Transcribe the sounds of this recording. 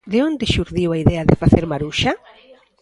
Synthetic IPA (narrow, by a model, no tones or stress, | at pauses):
d̪eond̪eʃuɾðiwaiðɛaðɪfaθeɾmaɾuʃa